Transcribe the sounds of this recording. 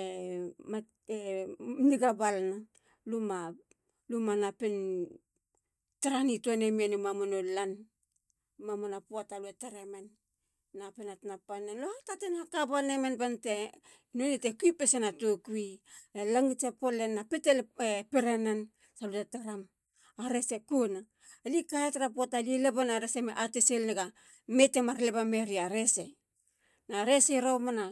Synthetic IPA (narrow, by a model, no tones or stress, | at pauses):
ema | eniɡabalna | luma | lumanapen | taɾanitonemianumamonolan | mamonapuataluetaɾemenː | apenatnapanenlohatatenakabalnemenbante | nonetekuipesenatokuielaŋit͡ʃepolenːapetelepeɾenan | salutataɾam | aɾe̞sekuna | likaetaɾapuatalielebanaɾesemeʔateselneɡa | me̞temaɾlebameɾiaɾese | naɾeseɾomana